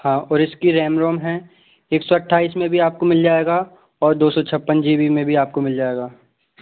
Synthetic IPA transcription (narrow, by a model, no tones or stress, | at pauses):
hãːɔːɾɪskiɾɛːmɾoːmɦɛ̃ | eːksɔɐʈʰːaːiːsmẽbʱiaːp̚komɪld͡ʒaːeːɡa | ɔːɾd̪oːsɔt͡ʃʰɐpːənd͡ʒiːbimẽbʱiaːp̚komɪld͡ʒaːeːɡaː